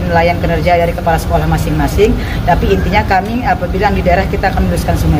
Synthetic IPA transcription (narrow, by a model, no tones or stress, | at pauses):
nlajankənərd͡ʒadaɾikəpalasə̥kolahmasɪŋmasɪŋ | t̪apiːnt̪iɲakamiapabilaŋdidaeɾahkit̪aːkanmnuɾuskansuma